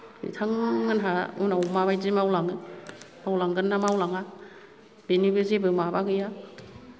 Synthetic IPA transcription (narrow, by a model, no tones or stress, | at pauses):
ḭtʰaŋːɯnɦaɯnawmaβajzimawlaŋɯ | awlaŋɡɯnːamawlaŋa | b̥enibɯzebɯmabaɡɯja